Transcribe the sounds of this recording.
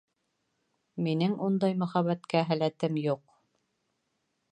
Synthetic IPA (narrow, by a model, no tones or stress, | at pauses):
minɘŋund̪ɑjmɵ̆χæβæt̪kæɦælæt̪ɘmjuq